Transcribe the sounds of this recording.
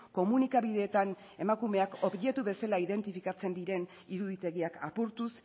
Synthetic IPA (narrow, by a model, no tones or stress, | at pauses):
ko̞munikaβiðe̞ːt̪an | e̞makume̞ako̞βʝe̞t̪uβe̞salaiðe̞nt̪ifikat͡se̞nd̪iɾe̞n | iɾuðit̪e̞ɣ̞iakʰapuɾt̪us